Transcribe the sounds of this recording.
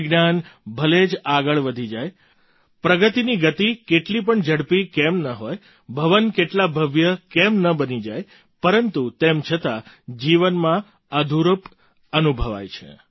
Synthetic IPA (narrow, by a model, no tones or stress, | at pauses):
ɡnanbʱəled͡ʒaɡəɭʋəd̪ʱid͡ʒaj | pɾəɡət̪iniɡət̪ikeʈlip̬əɳd͡ʒəɽpikemnəɦoj | bʱəʋənkeʈlabʱəʋjəkemnəbənid͡ʒaj | pəɾənt̪ut̪emt͡ʃʰət̪a | d͡ʒiʋənmã | əd̪ʱuɾup | ənubʱəʋa̰jt͡ʃʰḛ